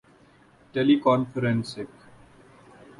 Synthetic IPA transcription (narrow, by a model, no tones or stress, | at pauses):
ʈelikɔ̃ːnfəɾɛ̃nsɪk